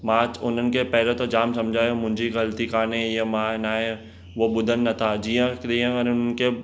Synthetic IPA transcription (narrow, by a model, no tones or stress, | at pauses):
maːt͡ʃʊn̤ən̆kepɛɦlot̪od͡ʒaːmsɐmd͡ʒʱaːjomʊ̃ɦɪ̃ɲd͡ʒiɣɐlt̪ikaːneiɦemãːnaːɦẽ | ʋoɓʊd̪ʱənːɐt̪ʰad͡ʒijə̃kɗ̪iə̃ʊnʊnənke